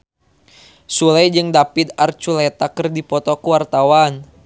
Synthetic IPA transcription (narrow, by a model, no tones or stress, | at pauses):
sulajd͡ʒɨŋdapit̪̚art͡ʃulɛt̪akɨrdipɔt̪ɔkuwart̪awan